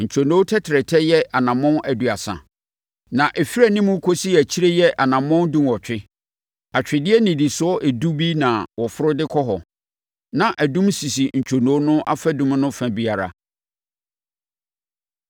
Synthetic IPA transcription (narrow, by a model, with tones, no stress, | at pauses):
ɲ̩˨t͡ɕʰo˨nõ˦tʰɛ˦tʰɪ˨ɾɛ˨tʰɛ˦jɛ˦ʔa˨nã˨mɔ̃˦nʔæ˨du˨a˨sã̰˨ | nã˨ʔɛ˨fi˦ɾæ˦˨nĩ˦mũ˦kʰo˦si˦æ˨t͡ɕʰi˦ɾe˦jɛ˦ʔa˨nã˨mɔ̃˦ndũ˦mwɔ˨t͡ɕᶣɪ˦ | a˨t͡ɕᶣɪ˨dɪ˦ɛ˦nĩ˨di˨sʊ˦ɔ˦ʔe˨du˦bi˦nã˨wɔ˨fʊ˦ɾʊ˦dɪ˦kʰɔ˦ɦɔ˨ | nã˨ʔæ˨dũ˦msi˨si˨ɲ̩˨t͡ɕʰo˨nõ˨˦nʊ̃˦ʔa̰˦fa˦dũ˦m˦nʊ̃˦fæ̃˨bi˦a˨ɾa̰˦